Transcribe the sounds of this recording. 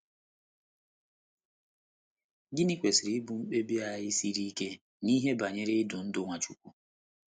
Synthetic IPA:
ɡi˦ni˦kʷe˨sɾi˨˦bu˨ŋ͡m̩˦k͡pe˦bi˦a˨ɦɪ˦si˦ɾi˦ke˦ | ni˦ɦe˦ba˨ɲe˦ɾe˦ɪ˦dʊ˨n̩˦dʊ˦ŋʷa˨t͡ʃu˦kʷu˦

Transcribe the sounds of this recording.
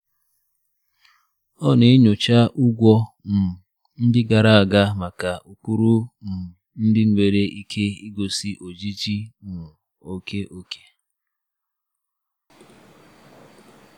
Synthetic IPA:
ɔ˦˨ne˨i˦ɲo˨t͡ʃa˦ʔu˦ɡʷɔ˦n̩˨ | n̩˦dɪ˦ɡa˨ɾa˦˨a˨ɡa˦ma˨ka˨ʔu˨k͡pu˦ɾu˦˨ | n̩˦dɪ˦ŋ̩˦ŋʷe˨ɾe˦ʔi˦kʰe˦i˦ɡo˨si˦ʔo˨d͡ʒi˦d͡ʒi˦n̩ʊ˨ | o˨ke˦ʔo˦kʰe̥˦

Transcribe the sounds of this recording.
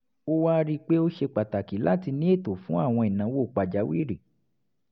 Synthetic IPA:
o˦wa˦ɾi˦k͡pe˦o˦ʃe˧k͡pa˨ta˨ki˨˦lʔa̰˦ti˧nĩ˦e˦˨to˨fũ˦a˦˨w̃ɔ̃˧i˨nã˨˦wo˦˨k͡pa˨d͡ʒa˨˦wḭ˦˨ɾi˨

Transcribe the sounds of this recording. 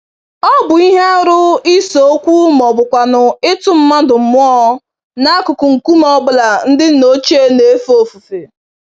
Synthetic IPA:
ɔ˦bʊ˨i˦ɦe˦ɾʊ˦i˦so˨o˦kʷu˦m˨ɔ˨bʊ˨kʷa˨nʊ˨ɪ˦tʊ˦m̩˦ma˦dʊ˨m̩˨mʊ˦ɔ˦ | na˦a˦kʊ˨kʊ˨ŋ̩˨ku˦mɔ˦bʊ˦la˨n̩˦dɪ˦no˦t͡ʃe˦ne˨˦fo˨fu˨fe˨

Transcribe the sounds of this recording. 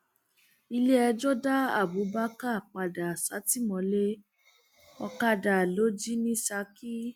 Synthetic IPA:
i˧le˦ɛ˧d͡ʒo˦da˦a˦˨bu˨˦ba˦ka˦˨k͡pa˨da˨sa˨˦ti˦mɔ̃˨˧˦le˦ | ɔ˧ka˧da˨lo˦d͡ʒi˦nĩ˦sa˧˦ki˦

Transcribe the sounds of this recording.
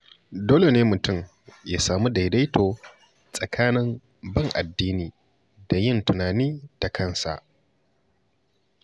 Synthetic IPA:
doː˦le˨neː˦mʊ˨tʊ˦˨m | jaː˦saː˨mu˦da˨jda˦jtʰoː˨ | sʼɐ˨kʰaː˦nɪ˦m | bɐ˦˨ŋʔa˨dːiː˦niː˨ | da˨jɪ˦˨ntʊ˨naː˨niː˦ta˨kʰɐ˦˨nsa̰˨ʔ

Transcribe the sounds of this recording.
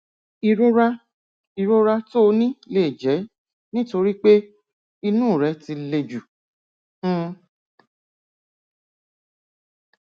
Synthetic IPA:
i˧ɾo˦ɾa˦ | i˧ɾo˦ɾa˦˧to˦o˧nĩ˦leː˦˨d͡ʒɛ˨˦ | nĩ˦to˧ɾi˦k͡pe˦ | i˧nũː˦˨ɾɛ˨˧˦ti˧le˧d͡ʒu˨

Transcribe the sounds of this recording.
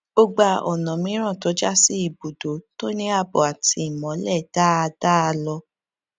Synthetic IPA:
b̥o˧ɡ͡ba˧ɔ˨nã˨mĩ˨˦ɾ̃ã˦˨to˨˦d͡ʒa˦si˦i˦˨bo˨do˨˦to˦nĩ˦a˧bɔ˨a˨ti˨˦i˨mɔ̃˨˦lɛ˦˨d̥a˦a˧da˦a˧lɔ˧

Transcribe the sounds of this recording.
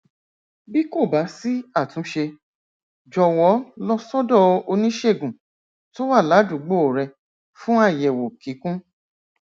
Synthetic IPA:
bi˦ko˦˨ba˨˦si˦a˦˨tũ˨˦ʃe˧ | d͡ʒɔ˨wɔ˨˦lɔ˦sɔ˦dɔ˦˧o˧nĩ˦ʃe˦˨ɡũ˨ | to˦wa˦˨la˨˦du˨˦ɡ͡bo˦˨ɾɛ˧ | fũ˦a˦˨jɛ˨wo˨ki˨˦kũ˦

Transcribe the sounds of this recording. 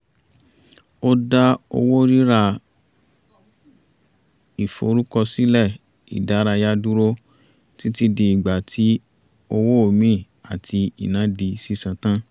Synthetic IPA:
o˦da˦o̰˧wo˦ɾi˦ɾa˧ | i˨fo̰˧˨˧ɾu˦kɔ˧si˦lɛ˦˨ | ḭ˨da˨˦ɾa˧ja˦du˦ɾo˦ | ti˦ti˧di˧i˨ɡ͡ba˨tʰi˨˦ | o˧wo˦o˦˨mĩ˦˨ | a˨tʰi˧ḭ˨nã˨˦di˧si˦sã˧tã˦

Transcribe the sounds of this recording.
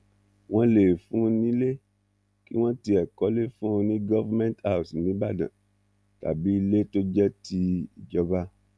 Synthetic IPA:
w̃ɔ̃˦le˨fũ˨˦nĩ˦le˦ | ki˦w̃ɔ̃˦ti˧ɛ˨kɔ˨˦le˦fũ˦o˧nĩ˦ɡɔ˦va˦mɛ̃˦n˦ta˦˨si˨nĩ˨˦ba˦˨dã̰˨ | ta̰˨bi˨˦i˧le˦to˦d͡ʒɛ˦tʰi˧i˨d͡ʒɔ˧ba˦

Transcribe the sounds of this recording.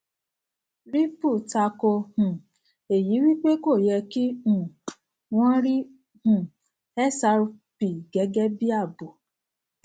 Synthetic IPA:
ɾi˦pu˦˨ta˧ko˧hũ˨ | e˨ji˨˦wi˦k͡pe˦ko˦˨jɛ˧ki˦ũ˨ | w̃ɔ̃˦ɾi˦ | hũ˨ | ɛ˦sa˧ɾpi˨ɡɛ˨˦ɡɛ˦bi˦a˦˨bu˨

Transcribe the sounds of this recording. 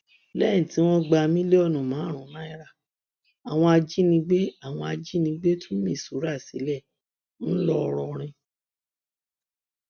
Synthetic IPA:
lɛ̃˦ĩ˦˨ti˨˦w̃ɔ̃˦ɡ͡ba˧mĩ˦le˦ɔ˦˨nũ˨mãː˨˦˨ɾ̃ũ˨˦nã˦i˦ɾa˦˨ | a˨w̃ɔ̃˧a˧d͡ʒi˦nĩ˧ɡ͡be˦a˦˨w̃ɔ̃˧a˧d͡ʒi˦nĩ˧ɡ͡be˦tʰu˦mĩ˦˨su˨˦ɾa˦˨si˨˦lɛ˦˨ | n̩˦lɔ˦ɔ˧ɾɔ˧ɾ̃ĩ˧

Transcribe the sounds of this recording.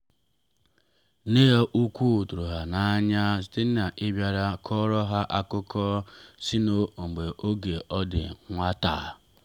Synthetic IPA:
ne˦ɔ˦ʔu˦kʷu˦˨tu˨ɾu˨ɦa˨na˨a˦ɲa˦si̥˦ti˦n̩˦na˨ʔɪ˦bja˨ɾa˦kʰɔ˦ɾɔ˦ɦa˦ʔa˦kʊ˦kʰɔ˦si˦no˦o˨ŋ͡m̩˨ɡ͡be˨ʔo˦ɡe˨ʔɔ˦dɪ̰˨ŋʷa˦ta̰ː˨

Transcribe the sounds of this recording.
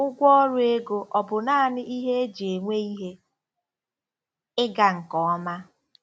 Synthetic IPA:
ʊ˦ɡʷɔ˦ɔ˦ɾʊ˦e˦ɡo˨ʔɔ˨bʊ˨naː˦˨nɪ˦ʔi˦ɦe˦e˦d͡ʒe˨ŋʷe˦i˦ɦe˦ | ɪ˦ɡa˨ŋ̩˨kɔ˨ɔ˦ma˦

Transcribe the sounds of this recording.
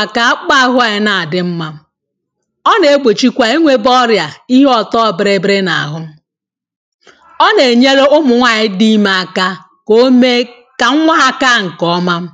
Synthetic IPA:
a˨ka˨a˦k͡pa˦˨ɦʊ˦a˨ɪ˨˦na˨a˨dɪ˦m̩˦ma˦m̩˦ | ɔ˦ne˨e˦ɡ͡bʷe˨t͡ʃi˦kʷa˨i˦ŋʷe˦bɔ˦ɾja˨i˦ɦɔ˨tɔ˦˨bɪ˨ɾe˨bɾe˦na˨a̰˨ɦʊ˦m̩˦ | ɔ˦ne˨ɲe˦ɾe˦ʊ˦mʊ˨ŋʷa˨ɲɪ˦di˦ma˨a˨ka˦ | ko˦me˦ | ka˨ŋ̩˦ŋʷa˦a˦ka˦ŋ̩˨kɔ˦ma˦m̩˦

